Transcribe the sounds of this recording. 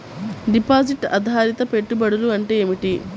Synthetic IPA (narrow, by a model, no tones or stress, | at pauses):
ɖipaːd͡ʒiʈɐ̰d̪ʱaːɾit̪ɐpe̞ʈːubɐɽuluɐɳʈeːeːmiʈi